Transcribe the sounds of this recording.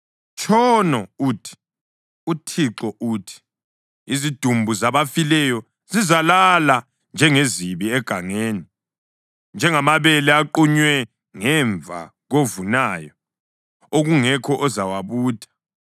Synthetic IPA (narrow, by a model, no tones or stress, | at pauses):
t͡ʃʼʰɔnɔuːtʰi̥ | utʰiǁɔʔuːtʰi̥ | izid̥ʱumbʱuzaβafilɛjɔ | zizalala | nd͡ʒʱɛŋeziβiɛɡ̥ʱaŋeːni | nd͡ʒʱɛŋamaβɛlɛaǃuɲwɛ | ŋɛɱvʱa̰ | ɣovunajɔ | oɣuŋɛkʰɔʔɔzawaβuːd̥ʰʱḁ